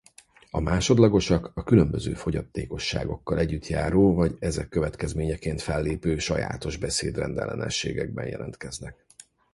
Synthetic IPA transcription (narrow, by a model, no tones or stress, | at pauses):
ɒmaːʃo̞d̪lɒɡo̞ʃɒkɒkylømbøzøːfo̞ɟɒt̪ːeːko̞ʃːa̰ːɡo̞kːɒlɛɟːyt̪jaːɾoːvɒɟɛzɛkːøvɛt̪kɛzmeːɲɛkeːnt̪fɛlːeːpøːʃɒja̰ːt̪o̞ʒbɛseːd̪rɛnd̪ɛ̰lɛnɛ̰ʃːeːɡɛɡ̚bɛnjʔɛ̰lɛnt̪kɛznɛk̚